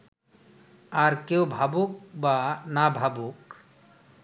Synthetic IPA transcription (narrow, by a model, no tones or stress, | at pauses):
aɾkewbʱabuk̚banabʱabuk